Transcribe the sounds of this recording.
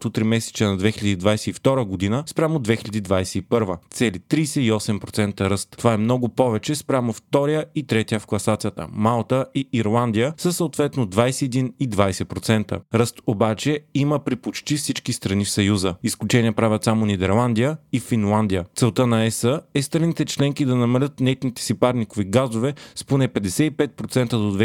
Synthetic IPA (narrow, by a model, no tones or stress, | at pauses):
t̪ot̪ɾimɛsɛ̥t͡ʃənɐd̪vɛxiʎɐd̪id̪vajsɛift̪ɔɾəɡod̪inəspɾʲamod̪vɛxilʎʲɐd̪id̪vajsɛipɤɾvət̪sɛlit̪ɾijsɛiɔsɛmpɾot̪sɛnt̪əɾɤst̪ːovaɛmnɔɡʊpɔvɛt͡ʃɛspɾʲamoft̪ɔɾijəit̪ɾɛt̪ʲiəfklˠɐsat̪sijət̪ə̰malˠt̪əiiɾlˠand̪ijəsəsəot̪vɛt̪nod̪vajsɛɛd̪inid̪vajsɛpɾot̪sɛnt̪ə̰ɾɤst̪obat͡ʃɛiməpɾipot͡ʃt̪ifsit͡ʃkist̪ɾɐnifsɐjuzəisklʲut͡ʃɛniəpɾavʲət̪samonid̪ɛɾlˠand̪ijəifinlˠand̪ijət̪sɛlˠt̪ənɐɛsəɛst̪ɾɐnit̪ɛt͡ʃlɛŋkid̪ɐnɐmɐlʲət̪nɛt̪nit̪ɛ̥sipaɾnikoviɡazovɛsponɛpɛd̪ɛsɛipɛt̪̚pɾot̪sɛnt̪əd̪od̪vɛ